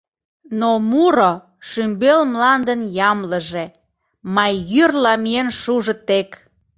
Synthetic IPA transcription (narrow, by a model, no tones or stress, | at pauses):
nomuɾo | ʃymbelmlɑnd̪ənjɑmləʒe̽ | mɑjːyrlɑmienʃuʒə̆t̪ek